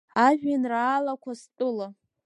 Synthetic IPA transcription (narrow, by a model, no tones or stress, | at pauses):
aʒᶣanraːlakʷʰastʼɨla